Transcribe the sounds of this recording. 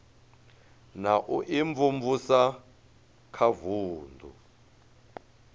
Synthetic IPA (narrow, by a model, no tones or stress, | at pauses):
naʔuʔiɱvumvusa | kʰavuːndʱṵ